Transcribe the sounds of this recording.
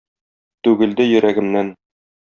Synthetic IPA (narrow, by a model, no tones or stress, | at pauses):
t̪ʉɡɘ̆ld̪ɘjɵ̆ɾæɡɘ̆mnæn